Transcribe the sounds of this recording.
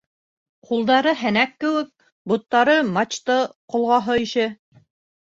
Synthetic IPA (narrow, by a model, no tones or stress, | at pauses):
qulˠd̪ɑɾɤɦænækːɘ̆wɘk̚ | bŭt̪ːɑɾɤmɑt͡ɕt̪ɤqŏlˠʁɑɦɤiʃɘ